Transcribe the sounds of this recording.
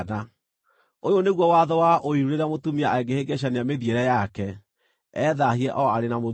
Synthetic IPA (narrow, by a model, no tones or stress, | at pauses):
na | ojoneɣwɔwaðɔwaʔoiɾuɾeɾamotumiaaeɡeheɡɛɕ̬anejameðieɾɛjakɛ | ɛðahiɛʔɔaɾenamo